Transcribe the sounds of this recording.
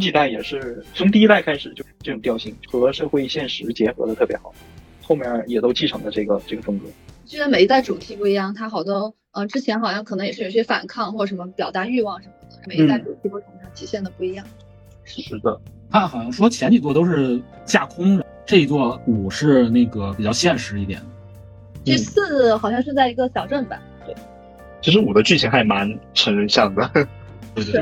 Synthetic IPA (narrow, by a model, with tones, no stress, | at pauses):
t͡ɕi˧t̪a˥˩ɪjɛ˨˩ʂɻ̩˥˩t͡sʰʊ˧˥ŋt̪i˥˧i˥t̪a˥˩ɪkʰa˥ɪʂɻ̩˨˩t͡ɕjo˥˧ʊʂ̩˥˧ʈ͡ʂɤ˥˩ʈ͡ʂʊ˨˩ŋt̪jʊɕi˥˩ŋxɤ˧˥ʂɤ˥˧xwe˥˧ɪi˥˩ɕjɛ˥˩nʂɻ̩˧˥t͡ɕjɛ˧˥xɤ̰˧˥d̪ə˧t̪ʰɤ˥˩pjɛ˧˥xɑ˨˩˦ʊ | xo˥˧ʊmjɛ˥˧˩jɛ˨˩t̪o˥ʊt͡ɕʰi˥˩ʈ͡ʂʰɑ˧˥ŋlə˧ʈ͡ʂɤ˥˩ɡə˩ʈ͡ʂɤ˥˩ɡə˩fɤ˥ŋt͡sɤ̰˧˥˦t͡ɕʰɛ˧˥ə˧˩me˨˧˩i˧˥t̪a˥˩ɪʈ͡ʂu˨˩t̪ʰi˧˥pu˥˩i˧˥jɑ˥˩ŋt̪ʰa˥xɑ˨˩ʊt̪ɔ˥˩ʊ | ə˧ʈ͡ʂɻ̩˥t͡ɕʰjɛ˧˥nxɑ˨˩ʊɕjɑ˥˩ŋkʰɤ˨˩nɤ˧˥ŋjɛ˨˩ʂɻ̩˥˩jo˨˩e˥fa̰˨˩nkʰɑ˥˧ŋxwɔ˥˩ʂə˧˥nmə˧pjɑ˨˩ʊt̪a˧˥y˥˧wɑ˥˩ŋʂə˧˥nmə˧˩d̪ə˧˥˩me˨˩ɪi˧˥˩t̪a˥˩ɪʈ͡ʂu˨˩t̪ʰi˧˥˩pwɔ˥˩ə˥m˧˥ɑ˥˩t̪ʰi˧˥ɕjɛ˥˩nd̪ə˩pu˥˩i˧˥jɑ˥˩ŋ | ʂɻ̩˥˩ʂɻ̩˥˩d̪ə̰˩ | nʰa˥˩xɑ˨ʊɕjɑ˥ŋʂwɔ˥t͡ɕʰjɛ˧˥nt͡ɕʰi˨˩t͡s̬wɔ˥˧t̪o˥ʊʂ̬ɻ̩˥˧ | t͡ɕja˥˩kʰʊ˥ŋ | ʈ͡ʂɤ˥˩i˥t͡swɔ˥˧u˨˩ʂɻ̩˥˧ne˥˩ɡə˩pi˨˩t͡ɕjɑ˥˧ʊɕjɛ˥˩nʂɻ̩˧˥i˥˩t̪jɛ̰˨˩nd̪ə˦ | t͡ɕi˥˧sɹ̩˥˩xɑ˨ʊɕjɑ˥˧ŋʂɻ̩˥˧t͡sa˥˩ɪi˧˥ɡə˧ɕjɑ˨˩ʊʈ͡ʂə˥˩ŋbɐ̰˩t̪we˥˩ɪ | t͡ɕʰi˧˥ʂɻ̩˧˥wɔ˨˩d̪ə˦t͡ɕy˥˩t͡ɕʰi˧˥ŋxa˧˥ɪma˧˥nʈ͡ʂʰə˧˥ŋ˥˧ɕjɑ˥˩ŋd̪ə˩ | t̪we˥˩ɪt̪w